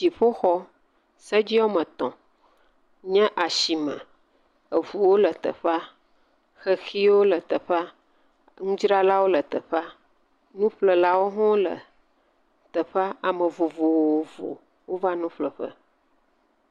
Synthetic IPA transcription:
d͡ʒi˨ɸo˦xɔ˦ | sə˦d͡ʑi˦ɔ˦mə̃˨t̪ɔ̰̃˨ | ɲɛ̃˦ʔa˨ʃi˨mə̰̃˨ | ə˨vu˨wo˦lə˨t̪ə̰˨ɸa˦ | xə˦xi˦wo˦lə˨t̪ə˨ɸa˦ | ŋũ˦d͡ʒɾa˦la˦wo˦lə˨t̪ə˨ɸa˦ | nũ˦ɸlə˨la˦wo˦ɦɔ̃˦lə̰˨ | t̪ə˨ɸa˦a˨mə̃˨vo˨vo˨wwo˨vo̰˨ | wo˦va˦nũ˦ɸlə˨ɸə̰˦

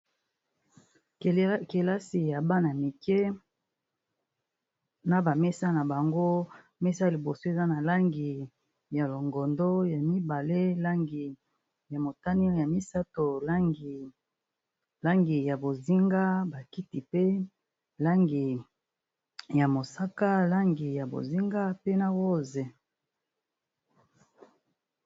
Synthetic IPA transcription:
ke˨la˦si˨ja˨ba˦na˨mi˨kɛ˦ | na˨ba˨me˦sa˦na˨ba˨ŋɡo˦ | me˦sa˦˨li˨bo˨so˦e˨za˦na˨la˦ŋɡi˨ | ja˨lo˨ŋɡɔ˨ndo˦ja˨mi˦ba˨le˦lɡi˨ | ja˨mo˨ta˦ni˦ja˨mi˦sa˦to˨l | la˦ŋɡi˨ja˨bo˨zi˦ŋɡa˦ba˨ki˦ti˨pe˦ | la˦ŋɡi˨ | ja˨mo˨sa˦ka˦la˦ŋɡi˨ja˨bo̰˨zi˦ŋɡa˦pe˦na˦wo˦ze˨

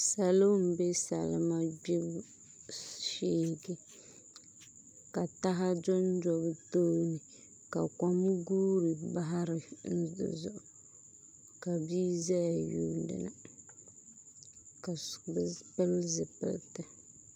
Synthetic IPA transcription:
sa˨lo˦m̩˨be˦sa̰˨lɨ̰˨˦ma˦bi˦b | ʃiː˦˨ɡi˨ | ka˨ta˦ɦa˦d͡ʒɔ˦nd͡ʒɔ˦btoː˦nɨ˨ | ka˨ka˨mɨ˦ɡuː˦ɾɨ˨ba˦ɦa˦ɾɨ˨n̩˦z̰zʊ̰˦˨ʔʊ˨ | ka˨bi˦za˦ja˨ju˦dɨ̰˨na̰˨ | ka˨bpɨ˦lzɨ˨pɨ̰˦ltɨ˨

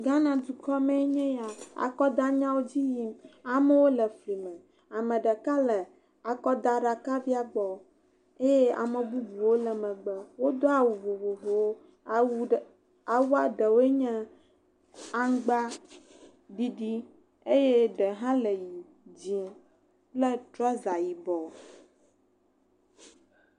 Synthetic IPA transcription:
ɡa˦nã˨d̪u˨kɔ˦mɛ̃˦ɲɛ̃˦ja˨a̰˨kɔ˦d̪a˦ɲã˦wo˦d͡ʑi˦ji˦ma˨mɛ˦wo˦lɛ˨fli˨mɛ̃˨ | a˨mɛ̃˨ɖɛ˨ka˦lɛ˨ | a˨kɔ˦d̪a˨ɖa˨ka˦vi˦a˦ɡ͡bɔ˨ | e˦je˦a̰˨mɛ̃˨bu˦bu˨wo˦lɛ˨mɛ̃˨ɡ͡bɛ˨wo˦d̪o˦a˨wu˨vo˨vo˨vo˨wo˦ | a˨wu˦a˨ɖə˨wo˦e˦ɲɛ̃˦ | a˦ŋ˦ɡ͡ba˦ | ɖi˦ɖi˦ | e˦je˦ɖə˨ɦã˦lə˨ji˨ | d͡ʑi˨ | plɛ˦t̪ɾɔ˦za˨ji˨bɔ˨

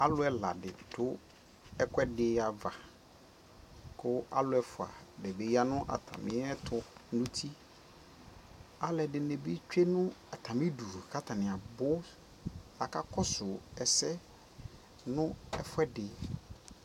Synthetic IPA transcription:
a˦lʊ˦ɛ˨la̰˨dɪ˨tʰʊ˦ | ɛ˦kʰʷɛ˦dɪ˦a˨va˨ | kʰʊ˦a̰˦lʊ˦ɛ˦fʊ˨a̰˨dɛ˨be˨ja˦nʊ̃˦ʔa̰˨tʰa̰˨mɪ̰̃˦ɛ˦tʰʊ˨nʊ̃˦tʰi˦ | a˦lɛ˨dɪ˨nɛ̃˨bi˦t͡ʃᶣe˦nʊ̃˦a˨tʰã˨mɪ̃˦du˨kʰa˦tʰa˨nɪ̃˨a˨bʊ˦ | a˨ka˦kʰɔ˦sʊ˨ɛ˨sɛ˦ | nʊ̃˦ɛ˨fʊ˦ɛ˦dɪ˨

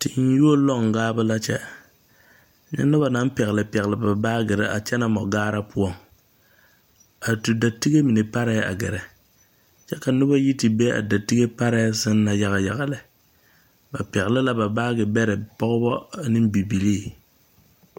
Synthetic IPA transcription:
tɪ˨n˦ju˦o˦lɔ˦˨ŋ˨ɡaː˦bʊ˦la˦t͡ʃɛ˦ | ɲɛ̰˦nʊ˦ba˨na˨˦m˦pɛ˨ɣɪ˨lɪ˨pɛ˨ɣɪ˨lɪ˨ba˨baː˦ɡɛ˨ɾɛ̰˨ʔa̰˨t͡ʃɛ˦na˨mɔ˨ɡaː˦ɾa˦pʊ˦ɔ˦˨ŋ | a˨tu˨da˨ti˦ɡe˦mi˨ne˨pa˦ɾa˦˨a̰˨ɡɛ˨ɾɛ˨ | t͡ʃɛ˦ka˨nʊ˦ba˦ji˦tɪ˨be˦a̰˨da˨ti˦ɡe˦pa˦ɾa˦sɪ˦nː˦a˨ja˨ɣa˨ja˨ɣa˨lɛ˨ | ba˨pɛ˨ɣɪ˨lɪ˦la˦ba˨baː˦ɡɪ˨bɛ˦ɾɪ˨pɔ˦ɣʊ˦bɔ˦nɪ˦m˦bi˨bi˨liː˦˨

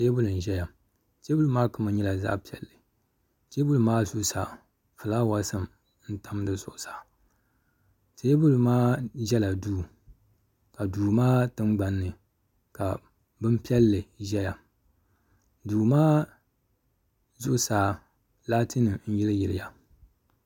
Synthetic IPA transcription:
se˦bʊ˦lɨ˨n̩˨ʒɛ˦ja˨ | t͡ʃe˦bʊ˦lɨ˦maː˦kɨ˦ma˨ɲɛ˦la˨za̰˦pi˨ɛ̰˨lːɨ˨ | t͡ʃe˦bʊ˦lɨ˨maː˦zʊ˦ʔsa˨ | fɨ˨laː˦wa˦sɨ˦m | n̩˦ta˦m˦dɨ˨zʊ˨ʔʊ˨sḁː˨ | t͡ʃe˦bʊ˦lɨ˨maː˦ʒɛ˦la˨duː˦ | ka˨duː˨maː˦tɨ˦mɡ͡ba˨nːɨ˨ | ka˨ | bɨ˦mpi˦ɛ˦lːɨ˨ʒɛ˦ja˨ | duː˨maː˦ | zʊ˦ʔʊ˨saː˨˦ | laː˦tʰɨ˦nɨ˨n̩˦jɪ˦lɨ˦jɪ˨lɪ˨ja˨

